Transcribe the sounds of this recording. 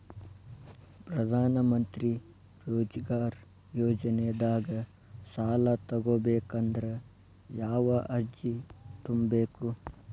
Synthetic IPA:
pɾɐd̪ʱaːnɐmɐnt̪ɾi | ɾoːd͡ʒɐɡaːɾ | joːd͡ʒɐneɐd̪aːɡɐ | saːlɐt̪ɐɡoːbeːkɐnd̪ɐɾɐ | jaːʋɐʔɐɾd͡ʒit̪umbeːku

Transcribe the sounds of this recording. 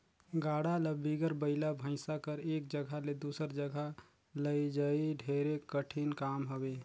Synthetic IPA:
ɡaːɽaləbiɡəɾbəɪlabʱə̃ɪ̃sakəɾeːkd͡ʒəɡʱaled̪uːsəɾd͡ʒəɡʱa | ləid͡ʒaːiɖʱeːɾekəʈʰinkaːmɦəbeː

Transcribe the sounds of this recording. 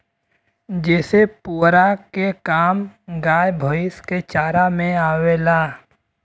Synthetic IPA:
d͡ʒɛːsepuːɾakekaːmɡaːjbʱoɪsket͡ʃaːɾamẽaːwelaː

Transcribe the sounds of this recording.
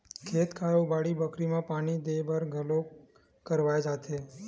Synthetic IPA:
kʰet̪kʰajobaɽibəkɾimãpaɽ̃id̪ebəɾɡʱəlo | kəɾʋajd͡ʒat̪ʰe

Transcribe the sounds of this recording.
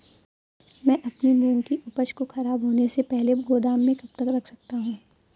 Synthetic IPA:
mɛ̃ːʔɐpnimũːŋkiʔʊpəʃkoxɐɾaːbɦoːnesepɛɦleɡoːd̪aːmːẽkɐb̚t̪ɐkɾɐkʰsɐk̚t̪aɦũː

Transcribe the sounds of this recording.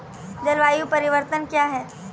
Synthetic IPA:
d͡ʒəlʋajupəɾiʋəɾt̪ənkjaɦɛː

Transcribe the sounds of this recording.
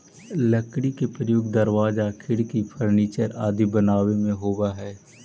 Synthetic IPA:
ləkɽ̃ikepɾəjoːɡd̪əɾʋaːzakʰɪɽkipʰəɾniːt͡ʃəɾaːd̪ibənaːwemẽɦoːbaɦɛː

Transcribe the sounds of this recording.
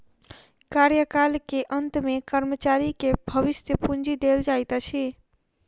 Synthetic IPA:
kaɾjəkalkeʔənt̪mekəɾmət͡ʃaɾikebʱəʋisjəpund͡ʒid̪eld͡ʒajt̪at͡ʃʰi

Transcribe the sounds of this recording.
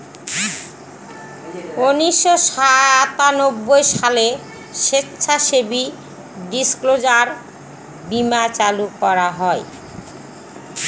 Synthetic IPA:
uniʃoʃat̪anobːojʃale | ʃetːɕʰaʃebi | ɖisklod͡ʑaɾ | bimat͡ɕalukɔɾaɦɔe

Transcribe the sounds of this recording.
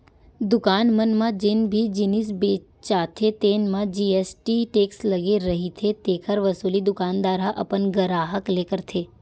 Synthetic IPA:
d̪ʊkanmənmãd͡ʒenbʱid͡ʒinis̬be | t͡ʃat̪ʰet̪enmãd͡ʒiesʈiʈeksləɡeɾəɦit̪ʰet̪ekʰəɾʋəsulid̪ʊkand̪aɾaʔə̰pənɡəɾaɦəklekəɾt̪ʰe

